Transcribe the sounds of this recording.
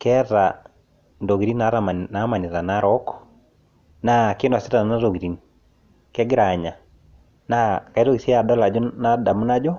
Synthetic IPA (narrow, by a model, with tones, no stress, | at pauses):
kɛ˦ɾa˨ | ndo˨ɣi˨ɾi˦na˨˦ɾa˨ma˨na˦ma˨ni˨ɾa˨na˦ɾɔ˦kɔ̥ | na˦kɪ˦nwa˨si˦ɾa˨na˨na˦ɾo˨ɡi˨ɾi˨n | kɛ˦ɡɪ˦ɾa˨ɲa˨ | na˦ka˨i˦ɾo˦ɡi˨sɛ˦a˨dɔ˦la˨d͡ʒɔ˦na˦da˨mu˦na˦d͡ʒɔ˦